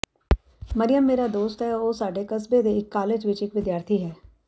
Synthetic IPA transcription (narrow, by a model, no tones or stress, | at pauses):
məɾɪjəmːeːɾaːd̪oːst̪ɦɛːoːsaːɖeːkəsbeːd̪eːɪkːaːled͡ʒʋɪt͡ʃɪkʋɪd̪jaːɾt̪ʰiːɦɛː